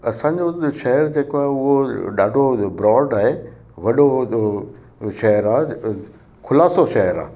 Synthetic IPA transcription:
ɐsãːɲ̆d͡ʑoʃɐɦəɾd͡ʑeːkoaːɦeʊɦoɗaːɖʱobɾɔːɖaːɦe | ʋɐɗo | ʃɐɦəɾaːɦ | kʰʊlaːsoʃɐɦəɾa̰ː

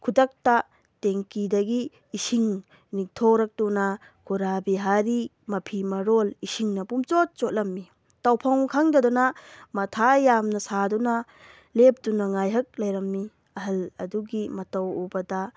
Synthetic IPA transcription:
kʰudɐk̚ta | teŋkidɐɡiː | siŋ | nik̚tʰoɾɐk̚tunɐ | kʰuɾabiɦaɾi | mɐpʰimɐɾolisiŋnɐpumt͡ʃot̚t͡ʃot̚lɐmːi | tawpʰɐŋkʰaŋdɐdɔnɐmɐtʰajamnɐsadɔnɐ | lep̚dunɐŋajɦɐk̚lɐjɾɐmːi | ɐɦɐlɐ̰duɡimɐtɐwubɐdɐ

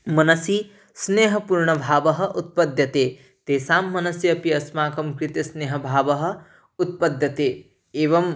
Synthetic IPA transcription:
mɐnɐsi | sneːɦɐpuːɾɳɐbʱaːʋɐɦɐ̆ʔut̪̚pɐd̪ʱjɐt̪eː | t̪eːsaːmːɐnɐsjɐɐpiɐsmaːkɐmkɾɪt̪ɐsneːɦɐbʱaːʋɐɦɐ̆ | ut̪̚pɐd̪ʱjɐt̪eː | eːʋɐm

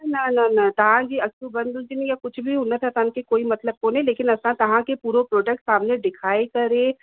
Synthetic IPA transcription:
nɐnɐnɐt̪ɐɦãd͡ʒiɐksubɐ̃nd̪ʱũt̪inijakʊt͡ʃʰbʱiɦʊnət̪ʰat̪ɐɦãnkekoːimɐt̪ləb̚koːneleːkɪnɐsãt̪ɐʋãkepuːɾopɾoːʈɛk̚ʈsaːmneɖɪkʰaːekɐɾẽ

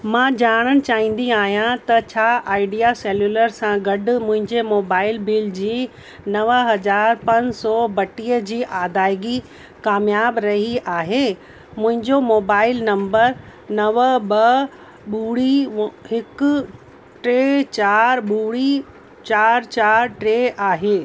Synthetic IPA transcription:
mãːd͡ʑaːɽ̃əɽ̃ɪ̆t͡ɕaːɦĩːn̆d̪iaːɦijãt̪ɐt͡ɕʰaːʔaːɪɖijaseːljuːləɾsãɡɐɖ̆mʊ̃ɦɪ̃ɲd͡ʑemoːbaːɪlbɪld͡ʑiː | nɐʋɦɐd͡ʑaːɾpɐnsɔːbɐʈiːəd͡ʑiːʔaːd̪aːɪɡi | kaːmjaːbɾɐɦiʔaːɦe | mʊ̃ɦɪ̃ɲd͡ʑomoːbaːɪlnɐ̃mbəɾ | nɐʋbɐ | ɓuːɽiɦɪk | ʈɾeːt͡ɕaːɾɓuːɽi | t͡ɕaːɾt͡ɕaːɾʈɾeːʔaːɦeː

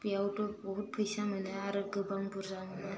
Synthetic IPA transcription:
pijawtɔbɔɦut̚pʰɯjsamɯnɯaɾɯɡɯbʱaŋbuɾzamɯnɯ

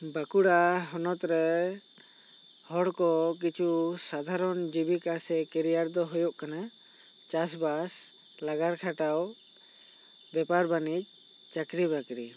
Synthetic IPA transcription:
bakuɽaɦɔnɔt̪ɾɛ | hɔɽkɔk̬it͡ʃʰusad̪ʱaɾɔnd͡ʒibikasɛkɛɾijaɾd̪ɔɦɔjɔʔkana | t͡ʃasbas | laɡaɾkʰaʈaw | bɛpaɾbanic̚ | t͡ʃakɾibakɾi

